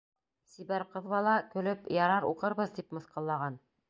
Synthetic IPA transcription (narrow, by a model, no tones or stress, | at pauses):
sibæɾqɤ̆ðβɑlˠɑkɵ̆lɵpjɑɾɑɾṵqɤ̆ɾβɤðd̪ipmɤ̆θqɑlˠːɑʁɑn